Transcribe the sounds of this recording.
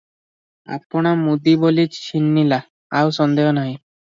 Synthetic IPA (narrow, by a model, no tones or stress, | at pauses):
a̰pɔɽ̃amud̪ibolit͡ʃt͡ɕʰinːilaː | wsɔnd̪eɦɔnaɦĩ